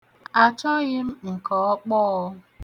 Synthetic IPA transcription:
a˨t͡ʃɔ˦ɣɪ˦m̩˦ŋ̩˨kɔ˨ɔ˦k͡pɔ˦

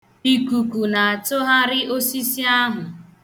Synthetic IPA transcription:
i˦ku˨ku˨na˨a˨tʊ˦ɦa˦ɾɪ˦ʔo˦si˦si˦a˦ɦʊ˨

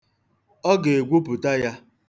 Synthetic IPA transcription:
ɔ˦ɡe˨e˨ɡʷu˦pʊ˨ta˦ja˦

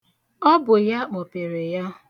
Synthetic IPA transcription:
ɔ˦bʊ˨ja˦k͡po˨pe˨ɾe˨ja˦

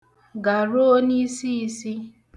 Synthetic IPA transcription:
ɡa˨ɾo˦ni˦si˦i˦si˦

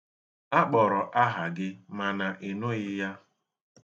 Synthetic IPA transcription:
a˦k͡pɔ˨ɾɔ˨ʔa˦ɦa˨ɡɪ˦ma˨na˨ʔi˨nʊ˦ɣɪ˦ja˦

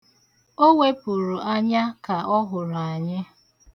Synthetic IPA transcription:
o˦we˦pu˨ɾu˨ʔa˦ɲa˦ka˨ʔɔ˦ɦʊ˨ɾa˨ɲɪ˦

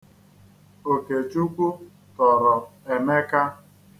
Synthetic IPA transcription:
o˨ke˨t͡ʃu˦kʷu˦ | tɔ˨ɾɔ˨e˨me˦ka˦

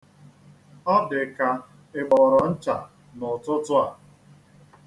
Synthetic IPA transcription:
ɔ˦dɪ˨ka˨ | ɪ˨ɡ͡bɔ˨ɾɔ˨n̩˦t͡ʃa˨ | nʊ˨tʊ˦tʊ˦a˨

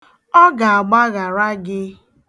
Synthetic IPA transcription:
ɔ˦ɡa˨a˨ɡ͡ba˦ɣa˨ɾa˦ɡɪ˦

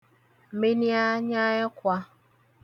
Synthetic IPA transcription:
m̩˨me˦ni˦a˦ɲa˦jɔ˦kʷa˦

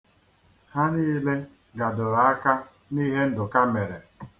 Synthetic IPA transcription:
ha˦niː˦le˦ | ɡa˨dʊ˨ɾa˨a˦ka˦ | ni˦ɦe˦n̩˦dʊ˨ka˦me˨ɾe˨

